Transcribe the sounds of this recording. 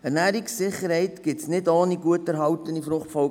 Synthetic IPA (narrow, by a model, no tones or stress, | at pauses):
ɛɾnæːɾiksːɪχːəɾhɛɪtɡ̥ɪtsnɪdoːniɡuətæɾɦɑwtənifɾʊχtfɔ